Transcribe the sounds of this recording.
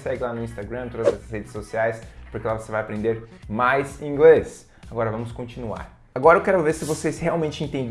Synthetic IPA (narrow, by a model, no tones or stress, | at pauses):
sɛɡɪlanʊĩst̪aɡɾɐ̃mt̪od̪ɐzɛsɐshed͡ʒɪsːosiajspoɾkelavosevajapɾẽnd̪eɾmajzĩɡles | aɡɔɾɐvɐ̃mʊskõnt͡ʃinua̰ɾ | aɡɔɾɐewkɛɾʊveɾsɪvosesheawmẽnt͡ʃɪẽnt̪ẽnd̪